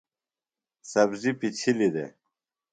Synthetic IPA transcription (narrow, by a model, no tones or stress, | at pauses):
sɐbzipit͡ɕʰilid̪ḛ